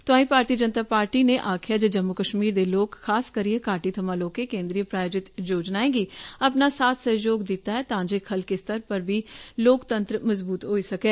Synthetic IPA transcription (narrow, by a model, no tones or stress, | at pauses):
t̪ʊãːĩpaːɾt̪iəd͡ʒənt̪aːpaːɾʈineʔaːkʰjad͡ʒəd͡ʒəmːʊkəʃmiːɾd̪eloːkʰːaːskəɾijẽkaːʈit̪ʰəmãːloːkekẽːnd̪ɾijəpɾaːjoːd͡ʒɪt̪d͡ʒoːd͡ʒnaːẽːɡiɐpnasaːt̪ʰsəɦjoːɡd̪ɪt̪aɦɛt̪ãːd͡ʒekʰɐlkest̪ʰəɾpəɾbʱiːloːkt̪ə̃nt̪ɾəmɐzbuːt̪ɦoːisɐkeː